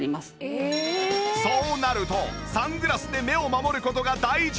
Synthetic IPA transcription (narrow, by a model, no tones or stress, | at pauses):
i̥ | so̞ːnaɾɯ̟t̪o̞sãŋɡɯ̟ɾasɨd̪e̞me̞o̞mamo̞ɾɯ̟kot̪o̞ɡad̪aiʑ